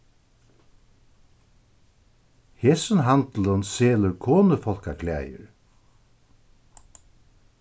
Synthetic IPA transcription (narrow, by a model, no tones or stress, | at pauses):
heːsənɦant̪lənseːləɾkʰoːnəfɔlkakʰlæ̰ːjə̰ɹ